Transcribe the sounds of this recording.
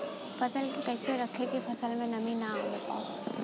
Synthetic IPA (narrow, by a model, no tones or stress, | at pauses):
fɐsəlkkɛːseɾɐkʰet̪ifɐsəlmẽnɐminaaka̰ː